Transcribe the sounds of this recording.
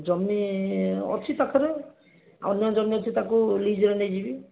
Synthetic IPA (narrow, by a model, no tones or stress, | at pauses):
d͡ʒɔmniɔ̰t͡ʃʰit̪akʰɔɾe | a̰ɔnːɔd͡ʒɔmniɔt̪ʰit̪akulid͡ʒɾened͡ʒibi